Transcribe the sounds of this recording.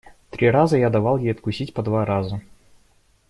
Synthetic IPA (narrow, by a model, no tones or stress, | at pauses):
t̪ɾʲiɾazəjad̪ɐvalˠjejɐt̪̚kʊsʲitʲpɐd̪vaɾazə